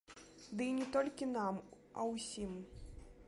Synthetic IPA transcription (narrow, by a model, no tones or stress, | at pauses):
d̪ɨinʲɛt̪ɔlʲkʲinam | ɐ̰wsʲim